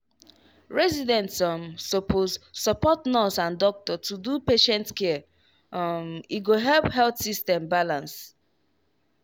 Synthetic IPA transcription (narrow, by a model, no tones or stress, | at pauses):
ɹɛzidɛ̃ntɔmsɔpʰozsɔpɔtnɔtãndɔk̚tɔtudupeʃɛ̃ntkɛ | miɡoɦɛlpɦɛlθsistɛ̃mbalãns